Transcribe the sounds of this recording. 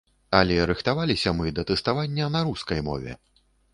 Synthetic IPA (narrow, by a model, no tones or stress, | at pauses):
ɐlʲɛɾɨxt̪avalʲisʲɐmɨd̪ɐt̪ɛst̪avanʲːɐnɐɾuskɐjmɔ̰vʲɛ̰